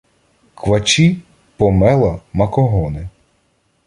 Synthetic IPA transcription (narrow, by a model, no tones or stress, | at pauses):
kʋɐt͡ʃi | pɔmɛlˠɐmɐkɔɦɔnɪ